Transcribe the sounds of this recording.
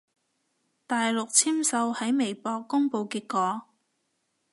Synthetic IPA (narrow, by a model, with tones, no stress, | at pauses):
t̪aː˨jlʊ˨k̚t͡sʰiː˥msɐ˧whɐ˨˥jme˨˩jpɔː˧kːʊ˥ŋpo˧wki˨˧kkːɔː˨˧˥